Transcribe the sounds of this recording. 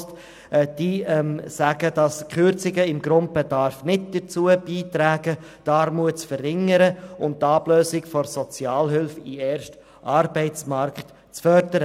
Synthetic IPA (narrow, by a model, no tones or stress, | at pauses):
t | d̥iːmsæɡ̥əd̥ɑskχʏɾt͡sɪɡəɪmɡɾʊnt̚b̥ɛdɑɾfnɪtd̥ət͡suəb̥iːtɾæːɡə | d̥ɑːɾmuət͡sfərːɪŋəɾəʊntɑːbløːsɪkfɔɾsɔt͡sjɑːlɦʏlfiɛːɾʃt | ʔɑːɾbɛɪt͡smɑɾkt | t͡sfœɾdəɾə